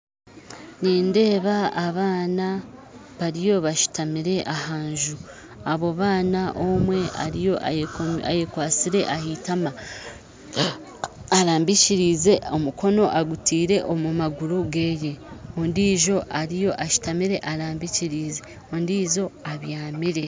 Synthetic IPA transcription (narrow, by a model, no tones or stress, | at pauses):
niːnde̞ːβaːβaːna | βaɾijo̞βaʃu̥tamiɾe̞ʔahaːɲʒu | aβo̞βaːnaʔo̞mwe̞a̰ɾijo̞ʔa̰ajekwaːt͡siɾe̞ʔahitama | aɾaːmbiciɾiːze̞o̞muko̞no̞ʔaɡutiːɾe̞ʔomumaɡuɾuɡeːje̞ondiːʒo̞ʔaɾijo̞ʔaʃi̥tamiɾe̞ʔaɾaːmbiciɾiːze̞ | ondiːzo̞aβjaːmiɾe̞